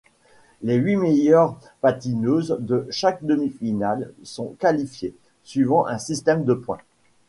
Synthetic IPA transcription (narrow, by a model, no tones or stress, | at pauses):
leɥimejœʁ | pat̪inøzd̪əʃak̚d̪əmifinalsɔ̃kalifje | sɥivɑ̃ʔɛ̃sist̪ɛmd̪əpwɛ̰̃